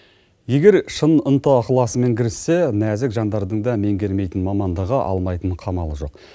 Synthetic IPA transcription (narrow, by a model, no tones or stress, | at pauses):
je̞ɡʲe̞ɾʃənənt̪əɑqlˠɑsəme̞ŋkʲʰɪɾɪsːe̞næzɪkʒɑnd̪ɑɾd̪əɴd̪ɑme̞ŋɡʲe̞ɾme̞jt̪ɪnmɑmɑnd̪əʁɑʔɑ̰lˠmɑjt̪əɴqʰɑmɑlˠəʒo̞q̚